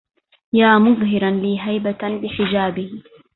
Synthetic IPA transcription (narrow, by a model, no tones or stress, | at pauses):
jaːmʊɣɦɪɾanliːɦajbat̪bɪħɪd͡ʒaːbɪh